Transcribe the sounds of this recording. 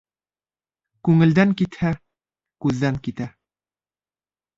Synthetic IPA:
kʉŋɘ̆ld̪æŋkit̪hæ | kʉðːæŋkit̪æ

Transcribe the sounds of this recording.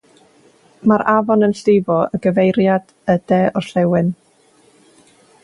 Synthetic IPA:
maɾʔavɔnənɬɪbɔəɡəvejɾjad̥ | əd̥ɛʔɔrɬɛwɨn

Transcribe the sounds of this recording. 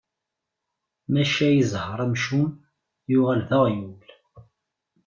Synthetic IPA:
mæʃæjəzhəɾˤæmʃum | jʊʁælðəʁjul

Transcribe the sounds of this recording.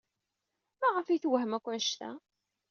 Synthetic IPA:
mæʁəfiθwəɦəmækʷːæʃt̪æ̰

